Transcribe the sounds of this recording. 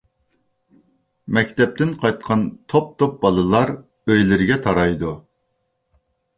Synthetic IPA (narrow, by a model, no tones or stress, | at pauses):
mɛkʲt̪ʰɛp̚t̪ɪnqʰɑjt̪̚qʰɑnt̪ʰop̚t̪ʰop̚bɑlˠɨlˠɑɾ | øjlɪɾɪɡʲɛt̪ʰɑɾɑjd̪u